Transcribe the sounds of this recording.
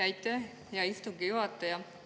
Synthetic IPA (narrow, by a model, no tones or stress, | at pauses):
æjt̪ːæ | jɑist̪uŋɡijuɦɑt̪ːˑɑjɑ